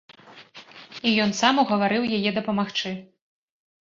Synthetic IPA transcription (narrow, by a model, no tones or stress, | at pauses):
ijɔnsamuɣɐvaɾɨwjajɛd̪ɐpɐmaxt͡ʂɨ